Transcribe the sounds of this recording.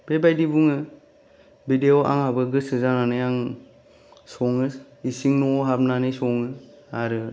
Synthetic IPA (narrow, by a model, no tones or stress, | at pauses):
b̥ebajdibuŋɯ | bideoʔa̰ŋhabɯɡɯsɯzananɯjaŋ | sɔŋɯ | isiŋnɔɦab̚nanisɔŋɯ | aɾɯ